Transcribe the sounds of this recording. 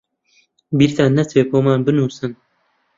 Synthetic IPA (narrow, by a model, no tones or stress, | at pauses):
biɾt̪ʰanːɐt͡sveːpʰoːmaːnbɨnuːsɨn